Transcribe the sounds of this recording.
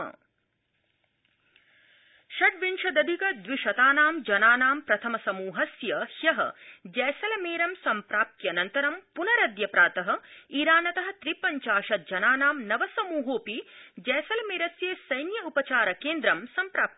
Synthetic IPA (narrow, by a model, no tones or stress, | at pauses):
ʃɐʈʋinʃɐd̪ɐd̪ʱikɐd̪ʋiʃɐt̪aːnaːmd͡ʒɐnaːnaːmpɾɐt̪ʰɐmɐsɐmuːɦɐsjɐhjɐɦɐ̰̆d͡ʒɛːsɐlɐmeːɾɐmsɐmpɾaːp̚t̪jɐnɐnt̪ɐɾɐmpunɐɾɐd̪jɐpɾaːt̪ɐɦɐ̆iːɾaːnɐt̪ɐɦɐ̆t̪ɾipɐɲt͡ʃaːʃɐt̪̚d͡ʒɐnaːnaːmnɐʋɐsɐmuːɦoːpid͡ʒɛːsɐlɐmeːɾɐsjeːsɐjnjɐupɐt͡ʃaːɾɐkeːnd̪ɾɐmsɐmpɾaːp̪̚